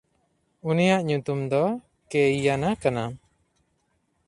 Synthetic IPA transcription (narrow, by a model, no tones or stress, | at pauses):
unijaʔɲut̪umd̪ɔ | kɛijanakana